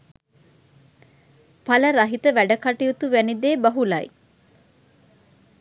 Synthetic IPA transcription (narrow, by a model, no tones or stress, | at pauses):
pɐləɾɐɦit̪əʋæɖəkɐʈijut̪uʋænid̪eːbɐɦulɐj